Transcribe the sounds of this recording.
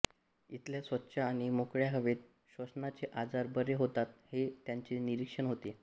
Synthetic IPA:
it̪ljasʋətːɕaːɽ̃imokɭjaɦəʋet̪̚ | ɕʋəsnat͡seʔad͡zaɾbəɾeɦot̪at̪het̪jaɲt͡ɕiniɾikʂəɳɦot̪i

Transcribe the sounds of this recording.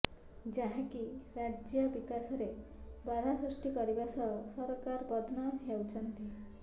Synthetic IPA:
d͡ʒaɦãkiɾad͡ʒjɔbikasɔɾebad̪ʱasɾusʈikɔɾibasɔɔsɔɾɔkaɾbɔd̪ʱnɔɦewt͡ʃʰɔnt̪i

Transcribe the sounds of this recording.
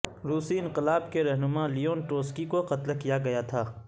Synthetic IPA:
ɾuːsiɪ̃nqɪlaːbkeɾɐɦnʊmalijoːnʈoːskikoqɐt̪lkijaɡɐjat̪ʰaː

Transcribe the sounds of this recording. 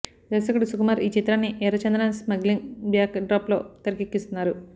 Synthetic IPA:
d̪ɐsɐkɐʈisukumaːɾiːt͡ʃit̪ɾaːnːiʔɛːɾɐt͡ʃɐnd̪ɾɐnsmɐɡliŋbjaːkɖɾaːplo̞ːt̪ɐɾɐkekːist̪unːaːɾu

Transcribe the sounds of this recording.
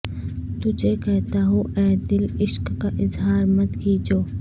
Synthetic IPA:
t̪ʊd͡ʒʱekɛɦt̪aɦoʔɛːd̪ɪlɪʃkkaʔɪzɦaːɾmɐt̪kid͡ʒoː

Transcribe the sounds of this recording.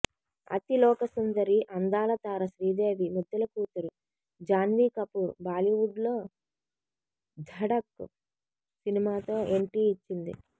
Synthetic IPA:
ɐ̰t̪ilɔːkɐsɐnd̪ɐɾiʔɐnd̪aːlɐt̪aːɾɐsɾiːd̪e̞ːʋimud̪ːɐlɐkuːt̪uɾu | d͡ʒaːnd̪iːkɐpuɾbaːliʋuɖlo̞ː | d̪ʱɐɽɐkːṵ | sinimaːt̪o̞ːeɳʈiːit͡ʃːind̪ḭ

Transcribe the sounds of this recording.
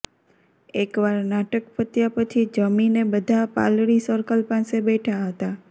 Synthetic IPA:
ekʋaɾnaʈəkpʰət̪japət͡ʃʰid͡ʒəminebəd̪ʱapa̰lɽisəɾkəlpãsebeʈʰaɦət̪a

